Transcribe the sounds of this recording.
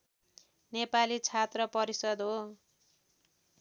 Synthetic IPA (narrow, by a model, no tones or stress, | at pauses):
nepalit͡sʰat̪rʌpʌɾisʌd̪ɦo